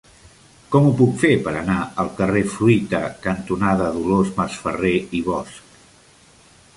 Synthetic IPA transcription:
kɔmupukfepəɾənaəlˠkərefɾuit̪əkənt̪unaðəðulozməsfəreiβ̞ɔsk̚

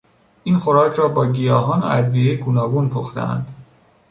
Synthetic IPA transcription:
ʔiːnxoɾɒːcʰɾɒːbɒːɟijɒːɦɒːnʔæ̰d̪viːjeɡuːnɒːɡunpʰoxt̪ḛæ̰nd̪̥

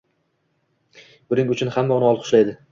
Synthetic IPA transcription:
b̥ʊɾɪŋʊt͡ʃʰʊnhamːaʊnɪɒlˠqʰʊ̥ʃlajd̪ɪ

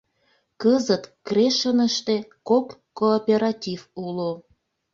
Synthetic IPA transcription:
kəzət̪kreʃənəʃt̪ekokːoːpʲeɾɑtʲivulo

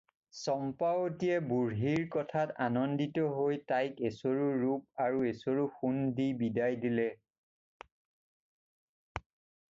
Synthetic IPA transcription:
sɔmpawtijɛbuɹɦiɹkɔtʰatanɔnditɔɦojtajkesoɹuɹup̚aɹuesoɹuxundibidajdilɛ

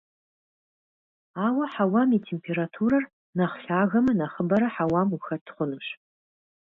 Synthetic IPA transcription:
aːwɐħawaːmiːtʰeːmpʰeɾatʰuːɾɐr | nɐχɬaːɣɐmɐnɐχəbɐɾɐħawaːmuxɐtʰχʷʊnɨɕ

